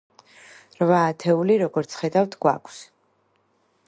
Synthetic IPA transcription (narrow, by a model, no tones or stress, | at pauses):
ɾvaːt̪ʰɛuliɾɔɡɔɾt̪sʰχɛd̪avt̪ʰɡwa̰kʰs